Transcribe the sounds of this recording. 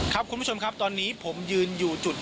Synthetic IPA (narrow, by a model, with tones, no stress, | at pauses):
kʰa˦˥p̚kʰu˧nʰ˥u˥t͡ɕo˧mkʰa˦˥p̚t̪ɔː˧nːiː˦˥pʰo˩˦mjɯː˧njuː˨˩t͡ɕu˨˩t̪̚